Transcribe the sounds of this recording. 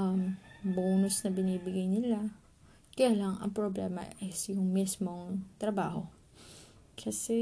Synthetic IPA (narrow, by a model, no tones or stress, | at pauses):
ʔɐmboːnʊsnɐbɪniːbɪɡajnɪla | kɐjaːlɐŋʔɐ̰ŋpɾoblɛːmɐ̰ʔɛsjʊŋmismo̞ŋt̪ɾɐbaːho̞̰ | kʰɐsɛ